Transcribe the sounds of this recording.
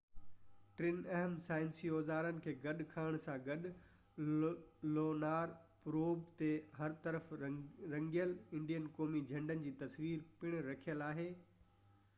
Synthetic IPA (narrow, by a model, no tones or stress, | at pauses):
ʈɾɪnɐɦəmsaːɪ̃nsioːzaːɾənɪ̆kʰeːɡɐɗkʰaːɪɽ̃sãɡɐɗʊ | loːnaːɾpɾoːbt̪eɦɐɾt̪ɐɾəfɾɐ̃ŋɡijəlɪ̃ɳɖijənkoːmid͡ʑʱɐ̃ɳɖənɪ̆d͡ʑiːt̪ɐsʋiːɾpɪɽ̃ɾɐkʰijəlaːɦeː